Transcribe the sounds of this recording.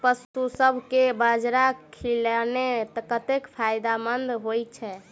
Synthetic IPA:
pəst̪usəbʱkebəd͡ʒɾakʰilnet̪əkət̪ekpʰajd̪amənd̪ɦojt͡ʃʰɛ

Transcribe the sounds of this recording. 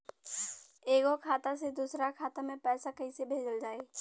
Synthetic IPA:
eːɡokʰaːt̪ased̪uːsɾakʰaːt̪amẽpɛːsakəɦisebʱeːd͡ʒəld͡ʒaːe

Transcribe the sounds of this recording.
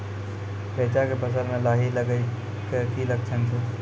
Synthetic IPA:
peːt͡ʃakepəs̬əɾmẽlaːɦiləɡəi | kekiləɡ̚t͡ʃʰənt͡ʃʰe

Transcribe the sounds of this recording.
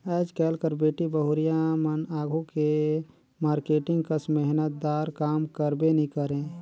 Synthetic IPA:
ɛːd͡ʒkɛːlkəɾbeːʈibəɦʊɾɪjamənaːɡʱuke | maːɾkeːʈɪ̃ŋɡkəsmɛɦnət̪̚d̪aːɾkaːmkəɾbenĩkəɾẽː

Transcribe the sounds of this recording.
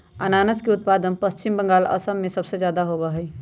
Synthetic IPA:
anaːnəskeʊt̪̚pad̪ənpəst͡ʃimbə̃ŋɡaːlə̰səmːẽsəbsed͡ʒjaːd̪aɦobəɦəj

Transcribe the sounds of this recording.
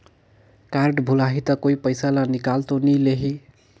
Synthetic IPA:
kaɾɖbʱulaɦit̪ʌkoipəjsalanikalt̪onileɦi

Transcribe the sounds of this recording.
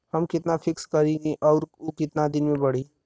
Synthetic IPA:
hɐmkɪt̪nafʰɪkskɐɾineʔɔːɾokɪt̪nad̪ɪnmẽbɐɽ̤iː

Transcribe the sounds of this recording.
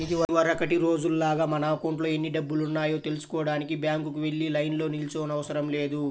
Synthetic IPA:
id̪iʋɐʋɐɾɐkɐʈiɾo̞ːd͡ʒululaːɡaːmɐnaːpɐwɳʈlo̞ːe̞nːiɖɐbːulunːaːjo̞ːt̪elusu̥kɔːɽaːnikibjaːŋkukuʋe̞ɭːilɐjnlo̞ːnilt͡ʃoːnɐʋɐsɐɾɐmle̞ːd̪u

